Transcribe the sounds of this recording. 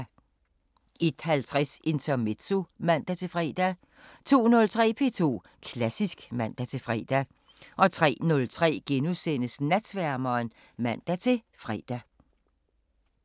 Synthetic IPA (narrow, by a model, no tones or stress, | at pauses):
e̝d̥hælt͡sʰʁɛse̝nt͡sʰɐme̝d̥somæn̰d̥æt͡sʰe̝fʁɛ̰ːd̥æ | t͡sʰo̝̰ːnɔ̽lt͡sʰʁɛ̰ːpʰe̝̰t͡sʰo̝̰ː | kʰlæsisɡ̥mæn̰d̥æt͡sʰe̝fʁɛ̰ːd̥æ | ʔɒ̽t͡sʰʁɛ̰ːnɔ̽lt͡sʰʁɛ̰ːɡ̥enusen̰əsnæd̥sʋæɐmɐːn | mæn̰d̥æt͡sʰe̝fʁɛ̰ːd̥æ